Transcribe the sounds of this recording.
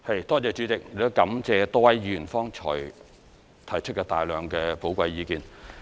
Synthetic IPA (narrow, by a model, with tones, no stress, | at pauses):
hɐ˨jt̪ɔː˥t͡sɛː˨˧t͡ʃy˨˥t͡sɪ˨k̚lo˥kɐ˨˥mt͡sɛː˧t̪ɔː˥wɐ˨˥jɥyː˨˩nfɔː˥ŋt͡ʃʰɔ̰ː˨˩j | t̪ʰɐ˨˩jt͡ʃʰɵ˥t̚kɛ˧t̪aː˨jlœː˨˧ŋkɛː˧po˨˥wkʷɐ˧jjiː˨˧kiː˨˧n